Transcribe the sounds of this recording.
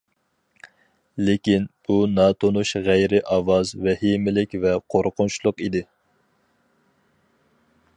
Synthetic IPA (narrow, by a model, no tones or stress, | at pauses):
lɪkʲinbunɑt̪ʰonuʃʁæjɾɪʔɑwɑzvɛhimɪlɪkʲvɛqʰoɾqʊnt͡ʃʰlˠʊqid̪ɪ